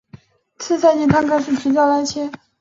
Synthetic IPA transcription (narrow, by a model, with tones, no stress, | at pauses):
t͡sʰɹ̩˥˧sa˥˧t͡ɕɛ˧˥˩t̪ʰa˥ŋkʰa˥ɪʂɻ̩˥˩pʰi˧˥t͡ɕjɑ˥˩la˧˥ɪt͡ɕʰjɛ˥